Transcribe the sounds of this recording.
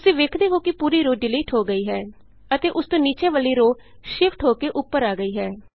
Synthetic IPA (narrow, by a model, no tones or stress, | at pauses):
t̪ʊsĩːʋeːkʰd̪eːɦoːkɪpuːɾiːɾoːɖɪliːʈɦoːɡəiːɦɛː | ət̪eːʔʊst̪õːniːt͡ʃẽːʋəliːɾoːʃɪpʰʈɦoːkeːʔʊpːəɾaːɡəiːɦɛː